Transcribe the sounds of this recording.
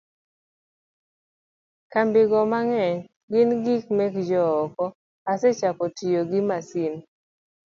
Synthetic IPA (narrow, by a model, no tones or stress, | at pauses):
kambɪɡɔmaŋɛɲ | ɡɪnɡikmɛkd͡ʒɔɔkɔ | asɛt͡ʃakɔtijoɡɪmasin